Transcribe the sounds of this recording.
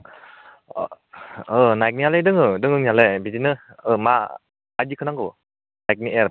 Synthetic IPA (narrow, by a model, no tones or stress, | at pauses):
ɯnajk̚nialedɯŋɯdɯŋɯnialebidinɯ | ɯma̰ː | d͡ʒikʰɯnaŋko | najk̚niʔeɾ